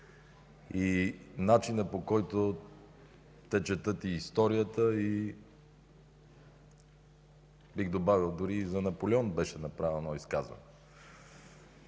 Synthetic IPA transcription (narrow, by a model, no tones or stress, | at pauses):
inat͡ʃinəpokɔjt̪o | t̪ɛt͡ʃɛt̪ɤt̪iːst̪ɔɾijət̪əi | biɣd̪obavilˠd̪ʊɾizɐnɐpolʲiɔnbɛʃɛnɐpɾavɛɛnɔiska̰zvə̰nɛ